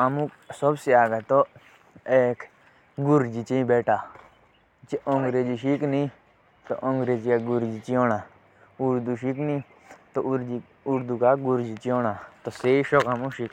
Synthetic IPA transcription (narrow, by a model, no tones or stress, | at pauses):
ɐmũ | sobseaːɡat̪o | eːk | ɡʊɾd͡ʒit͡ʃeĩbeːʈaː | t͡ʃeʔõŋɡɾeːd͡ʒiʃiknĩ | t̪o̰ʔõːŋɡɾeːd͡ʒikaɡʊɾd͡ʒit͡ʃioːnaː | uɾd̪uʃiknĩː | t̪oi | uɾd̪uːkaɡuɾd͡ʒit͡ʃiõːɽaːt̪oseiʃokamũʃik